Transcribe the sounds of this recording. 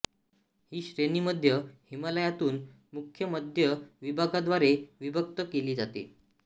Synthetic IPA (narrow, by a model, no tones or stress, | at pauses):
hiːɕɾeniːməd̪ʱjəhimələjat̪uːn | mukʰjəməd̪ʱjəʋibʱaɡad̪ʋaɾeʋibʱək̚t̪əkeliːd͡zat̪ḭ